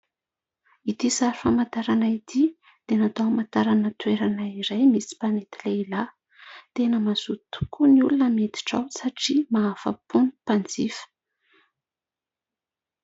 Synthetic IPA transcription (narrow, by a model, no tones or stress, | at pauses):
it̪isaɾifamant̪aɾanait̪ʰi | d̪̥enat̪awamant̪aɾanət̪weɾanaiɾajmisi̥panet̪ileila | t̪enəmazut̪u̥kʰuniulunəmet̪i̥ʈ͡ʂawsaʈ͡ʂimaːfə̰punipand͡zifə̥